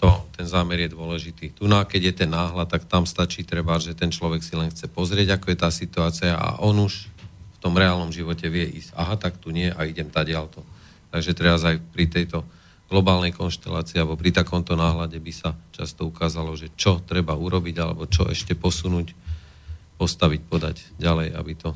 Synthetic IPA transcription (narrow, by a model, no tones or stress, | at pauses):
t̪ɔt̪ɛnzaːmɛɾjɛd̪ʊɔlɛʒit̪iːt̪unakɛɟjɛt̪ɛnːaːɦlat̪ːakt̪amst̪at͡ʃiːt̪ɾɛbaʒɛt̪ɛnt͡ʃlɔʋɛksilɛnxt͡sɛpɔzɾɪɛɟakɔjɛt̪aːsit̪uaːt͡siaʔa̰ʔɔnuʃft̪ɔmɾɛaːlnɔmʒiʋɔcɛʋɪɛʔiːzɟa̰ɦat̪akt̪uɲɪɛʔaiɟɛmt̪aɟɪalt̪ɔ | t̪aɡʒɛt̪ɾɛɾazajpɾit̪ɛjt̪ɔ | ɡ̥lɔbaːlnɛjkɔnʃt̪ɛlaːt͡siːalɛbɔpɾit̪akɔmt̪ɔnaːɦlaɟɛbisat͡ʃast̪ɔukaːzalɔʒɛt͡ʃɔt̪ɾɛbauɾɔbiɟalɛ̰bɔt͡ʃɔ̰ɛ̰ʃcɛpɔsunuːc | pɔst̪aʋic̚pɔd̪a̰ɟɟalɛja̰bit̪ɔ